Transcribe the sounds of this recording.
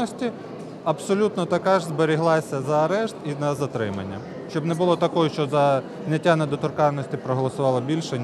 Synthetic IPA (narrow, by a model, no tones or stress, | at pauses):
ɔsʲtʲi | ɐbsɔlʲut̪nɔt̪ɐkɑʒzbeɾʲiɦlˠɑsʲɐzɐːɾɛʃt̪inɐzɐt̪ɾɪmɐ̰nʲːɐ̰ | ʃt͡ʃɔbnɛbʊlˠɔt̪ɐkɔjuʃt͡ʃɔzɐ | zʲnʲɐtʲːanɐd̪ɔt̪ʊrkɑnːɔsʲtʲipɾɔɦɔlˠɔsʊʋɑlˠɐbʲilʲʃɛ